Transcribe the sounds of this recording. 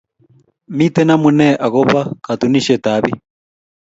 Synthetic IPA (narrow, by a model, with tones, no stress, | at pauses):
mi˦t̪ɛ˦na˦mu˨nɛ˦ʔa˨ɣɔ˦βa˦ka˨t̪u˨ni˦ʃɛ˨ta˨˦βi˦